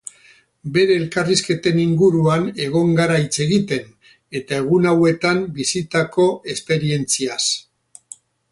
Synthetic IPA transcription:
be̞ɾe̞ːlkariske̞t̪e̞niŋɡuɾuane̞ɣ̞o̞ŋɡaɾait͡se̞ɣit̪e̞n | e̞t̪ae̞ɣunawe̞t̪ambisit̪ako̞e̞spe̞ɾie̞nt͡sias

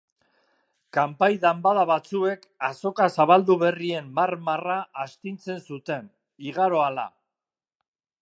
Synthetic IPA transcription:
kampajðambaðaβat͡sue̞k | aso̞kasaβald̪uβe̞rie̞mːaɾmaraːst̪int͡se̞nsut̪e̞n | iɣaɾo̞ala̰

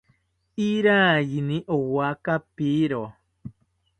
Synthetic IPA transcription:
iɾaːjinĩʔowakapiɾo

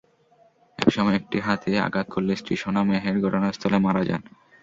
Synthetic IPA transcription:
ɛ̰kʃɔmɔeek̚ʈiɦat̪ea̰ɡat̪̚kʰoɾːesʈeʃonameɦeɾɡʱɔʈonaɾst̪ʰɔlemaɾad͡ʑa̰n

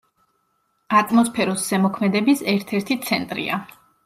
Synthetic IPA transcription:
at̪ʼmɔspʰɛɾɔsːɛmɔkʰmɛd̪ɛbisɛɾt̪ʰɛɾt̪ʰit̪sʰɛnt̪ʼɾḭa

